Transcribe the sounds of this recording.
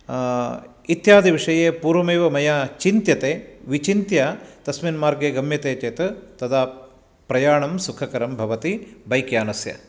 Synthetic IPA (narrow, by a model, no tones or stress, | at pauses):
it̪jaːd̪ʱiʋiʂɐjeːpuːɾʋɐmeːʋɐmɐjaːt͡ʃint̪jɐt̪eːʋit͡ʃint̪jɐt̪ɐsminmaːɾɡeːɡɐmjɐt̪eːt͡ʃeːt̪ɐt̪ɐd̪ʱaː | pɾɐjaːɳɐmsukʰɐkɐɾɐmbʱɐʋɐt̪ibɐjkjaːnɐsjɐ̰